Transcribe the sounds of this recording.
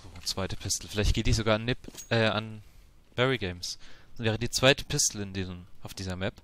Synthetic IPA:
z̥oːt͡sv̥aɪtə̥pʰɪstl̩fɪlaɪçtɡ̥eːtdiːz̥oɡaːanːɪpʔɛːʔa̰n | v̥ɛʁiɡeɪmsvɛːʁ̞ədiːt͡sv̥aɪtə̥pʰɪstl̩ɪndiːzmaʊfd̥iːzɐmɛp

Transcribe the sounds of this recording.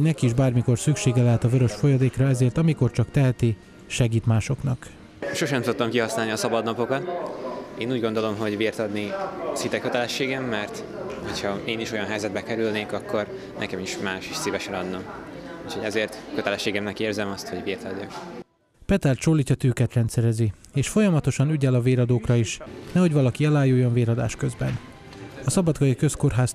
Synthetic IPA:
nɛkiːʒbaːrmiko̞rsykʃeːɡɛlɛɦɛt̪ɒvøɾøʃfo̞jɒd̪eːkrɒɛzeːrt̪ɒmiko̞rt͡ʃɒkt̪ɛɦɛt̪i | ʃɛɡiːt̪maːʃo̞knɒk | ʃo̞ʃɛmsot̪t̪ɒmkiɦɒsnaːlniɒsɒbɒd̪nɒpo̞kɒt̪ | eːnuːɟɡo̞nd̪o̞lo̞mɦo̞ɟʋiːrt̪ɒd̪nisit̪ɛkøt̪ɛlɛʃːeːɡɛmːɛrt̪ | hochɒeːniʃo̞jɒnɦɛjzɛd̪̚bɛkɛɾylneːkɒkːo̞r | nɛ̰kɛmiʃmaːʃiʃsiːvɛʃɛnɒd̪nɒmucʰho̞ɟɛzeːrt̪køt̪ɛlɛʃːeːɡɛmnɛkeːrzɛmɒst̪ho̞ɟʋiːrt̪ɒɟːɒk | pɛt̪ɛrt͡ʃoːlːicɒt̪yːkɛt̪rɛnt̪sɛɾɛzi | eːʃfo̞jɒmɒt̪o̞ʃɒnyɟɛlɒveːɾɒd̪oːkrɒiʃnɛɦo̞ɟvɒlɒkiɛlaːjujːo̞nveːɾɒd̪a̰ːʃkø̞zbɛ̰n | ɒsɒbɒd̪ɡɒjikø̞sko̞rɦaːs

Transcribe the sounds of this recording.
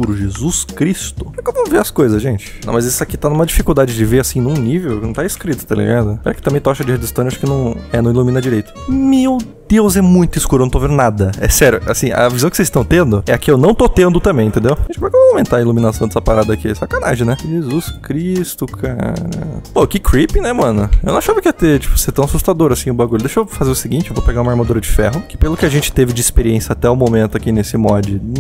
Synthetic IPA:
uɾʊʒezuskɾist̪ʊkovõveɐskojzɐsʒẽnt͡ʃɪ̥nɐ̃w̃mɐzisʊakit̪anũmɐd͡ʒifikuwd̪ad͡ʒɪd͡ʒɪveɾasĩnũnivewkɪnɐ̃w̃t̪aiskɾit̪ʊ̥t̪elḛɡãd̪ʊpɛkɪ̥t̪ɐ̃mbẽj̃t̪ɔʃɐd͡ʒɪhed̪ɪst̪õnɪaʃʊ̥kɪnɐ̃w̃ɛnɐ̃ilumĩnɐd͡ʒiɾejt̪ʊ̥mewd̪ewzɛmũj̃t̪ʊiskuɾʊñt̪ovẽd̪nad̪ɐɛ̰sɛɾjʊa̰sĩɐ̰vizɐ̃w̃kɪ̥sezst̪ɐ̃w̃t̪ẽnd̪ʊɛɐkɪewnɐ̃w̃t̪ot̪ẽnd̪ʊt̪ɐ̃mbẽj̃ẽt̪ẽd̪ewʒẽt͡ʃɪpɛɾkeawmẽnt̪aɐilumĩnasɐ̃w̃d̪ɛsɐpaɾad̪ɐkiɛsakanaʒẽnɛʒezuskɾist̪ʊkʰaɾɐ̰pokɪkɾipĩnɛmɐ̃nʊḛwnɐ̃ʃavɐkɪɐt̪et͡ʃi̥pʊ̥seɾt̪ɐ̃w̃asust̪ad̪oɾasĩʊbaɡuʎʊd̪eʃofazeɾʊsɪɡĩnt͡ʃɪewvopeɡaɾũmɐaɾmad̪uɾɐd͡ʒɪfɛ̰ɦʊkɪ̥pelʊkɪaʒẽnt͡ʃɪ̥t̪evɪd͡ʒɪispeɾiẽsjɐat̪ɛʊmomẽnt̪ʊakinesɪmɔd͡ʒɪ

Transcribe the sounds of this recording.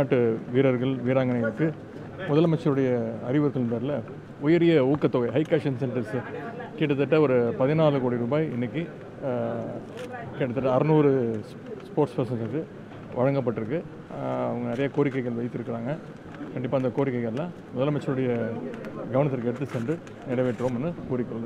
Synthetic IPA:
aːʈːɯʋiːɾɐɾɣɐɭʋiːɾaːŋɡɐnɪɣɐɭɯkːɯ | mʊðɐlmɐt͡ʃːɐɾɯɽɐjɐɐɾɪʋɐɾɐt̪ːɪlpeːɾlɐ | ɔjɪɾɪjɐuːkːɐt̪ːɔɣɐɪɦɐɪkːaːʂɐnsɛɳʈɪɾskiːʈːɐt̪ːɐʈːɐɔɾɯpɐðɪnaːlɯkoːɽiɾuːbaːjɪnːɐk̬ːi | kɛʈːɐt̪ːɯʈːɐɐɾɯnuːɾɯ | spoːʈspɐɾsɐnsɛɯ | ʋɐɻɐŋɡɐp̬ːɐʈːɯɾɯkːɯ | ɐʋɐŋɡɐnɪɾɐjaːkoːɾɪk̬ːɐɪɣɐɭʋɐɪt̪ːɯɾɯkːɪɾaːŋɡɐ | kɐɳɖɪpːaːɪnd̪ɐkoːɾɪkːɐɪɣɐɭlːãː | mʊðɐlmɐt͡ʃːɐɾɯɽɐjɐ | ɡɐʋɐnɐt̪̬ːɪɾkɯɛɽɯt̪ːɯsɛɳɖrɯ | nɪɽɐʋeːʈːɾomɛnːɯkuːɾɪkːɐɾɐd̪ɯ

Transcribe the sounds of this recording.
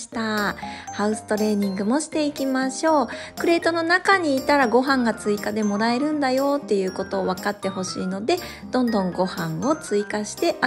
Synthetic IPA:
i̥t̪ahaɯ̟sɨ̥t̪o̞ɾe̞ːɲ̟ĩŋɡɯ̟mo̞ɕi̥t̪e̞ikʲimaɕo̞ːkɯ̟ɾe̞ːt̪o̞no̞nakaɲ̟iːt̪aɾaɡo̞ɦãŋɡat͡sɨikad̪e̞mo̞ɾae̞ɾɯ̟̃nd̪ajo̞ːt̪ːe̞jɯ̟ːko̞t̪o̞ːβakat̪ːe̞ho̞ɕḭːno̞d̪e̞ | d̪̥õ̞nd̪õ̞ŋɡo̞hãɰo̞t͡sɨikaɕi̥t̪e̞ʔa

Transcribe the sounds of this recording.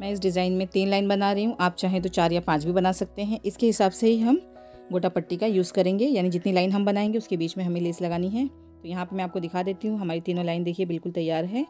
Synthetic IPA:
mɛ̃ːɪs̬ɖɪzaːɪnmẽt̪iːnlaːɪnbɐnaɾɐiɦũʔaːp̚t͡ʃaːɦẽt̪̬ot͡ʃaːɾjapãːt͡ʃbʱibɐnaːsɐk̚t̪eɦɛ̃ʔɪskeɦɪsaːbseɦiɦɐm | ɡoːʈapɐʈːikajuːzkɐɾẽːŋɡejaːnid͡ʒɪt̪nilaːɪnɦɐmbɐnaːẽːŋɡeʊskebiːt͡ʃmẽɦɐmẽlɪslɐɡaːniɦɛ̃ː | t̪ojɐɦãpɐɾmɛ̃aːp̚kod̪ɪkʰaːd̪eːt̪iɦũɦɐmaːɾit̪iːnõlaːɪnd̪eːkʰiebɪlkʊlt̪ɐjːaːɾɦɛː

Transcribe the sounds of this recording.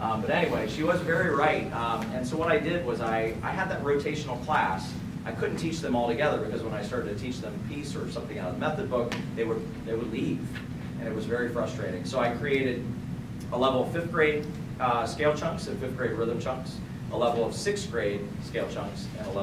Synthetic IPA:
ʔʌbʌɾɛniweɪʃiwʌzvɛɹiɹaɪt̚ɨ̃nsoʊwʌɾaɪdɪd̚wʌzaɪa̰ɪɨd̪̚ðɨt̚ɹoʊtʰeɪʃn̩l̩ˠkʰl̥æs | ʔaɪkʰʊdⁿn̩tʰit͡ʃðɨ̃mɔlˠtɨɡɛðə˞bɨkʌzwə̃ñaɪstɑɹɾɨtʰɨtʰit͡ʃðə̃mpʰisə˞sʌ̃mθɪ̃ŋamɛθɨd̚bʊk̚ðeɪwə˞ | ðeɪwədˡliv̥ | ʔɨ̰̃ñɨt̚wʌzvɛɹifɹʌstɹ̥eɪɾɪ̃ŋsoʊaɪkʰɹ̥ieɪɾɨɾ | ʔəlɛvl̩ˠʌv̥fɪfɡ̥ɹeɪd̚ | skeɪlˠt͡ʃʰʌ̃ŋksɨ̃nfɪfθɡ̥ɹeɪd̚ɹɪðɨ̃mt͡ʃʰʌ̃ŋks | ʔəlɛvl̩ˠʌv̥sɪksɡ̥ɹeɪd̥̚ | skeɪlˠt͡ʃʰʌ̃ŋksɨə

